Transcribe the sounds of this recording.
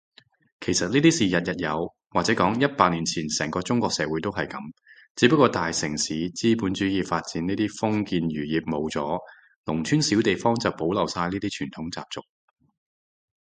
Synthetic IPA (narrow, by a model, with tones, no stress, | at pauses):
kʰe˨˩jsɐ˨t̚niː˥t̪iː˥siː˨˩jɐ˨t̚jɐ˨t̚jɐ˨˧w | waː˨t͡sɛː˨˥kɔː˨˥ŋjɐ˥t̚paː˧k̚ni˨˩nt͡sʰiː˨˩nsɛː˨˩ŋkɔː˧t͡sʊ˥ŋkʷɔː˧k̚sɛː˨˧˥wuː˨˥jt̪o˥wɦɐ˨jkɐ˨˥m | t͡siː˨˥pɐ˥kːɔː˧t̪aː˨jsɪ˨˩ŋsiː˨˥t͡siː˥puː˨˥nt͡ʃyː˨˥jiː˨˩faː˧t̚t͡siː˨˥niː˥t̪iː˥fʊ˥ŋkiː˧nɥyː˨˩jiː˨˩p̚mo˨˧wt͡sɔː˨˥ | lʊ˨˩ŋt͡ʃʰyː˥nsiː˨˥wt̪e˨jfɔː˥ŋt͡sɐ˨˩wpo˨˥wlɐ˨˩wsaː˧jniː˥t̪iː˥t͡ʃʰyː˨˩nt̪ʰʊ˨˥ŋt͡sa̰ː˧p̚t͡sʊ˨k̚